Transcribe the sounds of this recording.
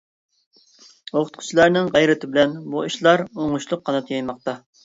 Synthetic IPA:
oqʊ̥t̪̚qʰʊ̥t͡ʃʰilˠɑɾnɪŋʁɛjɾɪt̪ʰɪbɪlɛnbuiʃlˠɑɾoŋʊʃlˠʊqʰːɑnɨt̪ʰjɑjmɑqt̪ɑ

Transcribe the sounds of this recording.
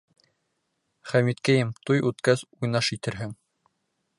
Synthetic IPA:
χæmit̪kæjɘmt̪ujʉt̪kæzujnɑʃit̪ɘ̆ɾɦɘŋ

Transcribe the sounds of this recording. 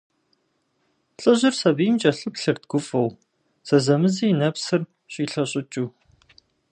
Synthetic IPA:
ɬʼɨʑɪrsɐbijmt͡ʃʼɐɬɨpɬɨrt̚ɡ̥ʷʊfɐw | z̥ɐzɐmɨzijinɐpsɨr | ɕʼiːɬɐɕʼɪt͡ʃʼuː

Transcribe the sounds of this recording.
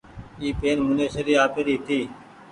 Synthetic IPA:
iːpeːnmʊneːsəɾiːaːpeːɾiːt̪ʰiː

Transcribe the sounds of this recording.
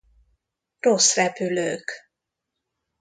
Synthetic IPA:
rosrɛpyløːk

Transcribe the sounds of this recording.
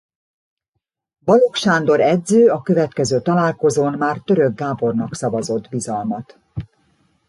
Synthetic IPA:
bɒlo̞kʃaːnd̪o̞ɾɛdzøːɒkø̞vɛt̪kɛzøːt̪ɒlaːlko̞zoːnmaːrt̪ø̞ɾøɡːaːbo̞rnɒksɒvɒzo̞d̪bizɒlmɒt̪

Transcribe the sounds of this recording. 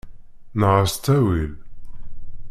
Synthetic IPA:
nəʁəst̪ːæwil

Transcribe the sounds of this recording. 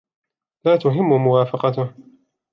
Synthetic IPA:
laːt̪ʊɦɪmːʊmʊwaːfɑqɑt̪ʊh

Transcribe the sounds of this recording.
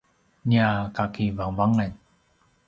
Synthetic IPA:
ɲakakivaŋvaŋnaɲ

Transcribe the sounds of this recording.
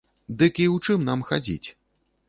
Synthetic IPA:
d̪ɨkiwt͡ʂɨmnamxa̰d͡zʲḭt͡sʲ

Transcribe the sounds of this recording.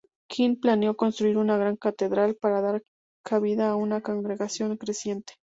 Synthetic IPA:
kʰinplanejo̞ko̞nst̪ɾuiɾunaɣɾaŋkat̪e̞ðɾalpaɾaðaɾ | kʰaβiðaːunakoŋɡɾe̞ɣasjo̞ŋkɾe̞sje̞nt̪e̥

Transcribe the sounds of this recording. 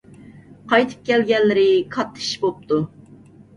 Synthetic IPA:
qʰɑjt̪ʰɨ̥p̚kʲɛlɡʲɛlːɪɾɪkʰɑt̪ʰːɨ̥ʃbop̚t̪u

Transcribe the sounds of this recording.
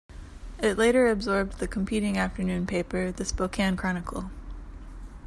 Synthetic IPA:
ɪtˡleɪɾə˞ɨbzɔɹb̚ðɨkʰm̩pʰiɾɪ̃ŋæftə˞nʉ̃npʰeɪpə˞ðɨsboʊkʰæ̃nkʰɹ̥ɑñɨkʰl̩ˠ

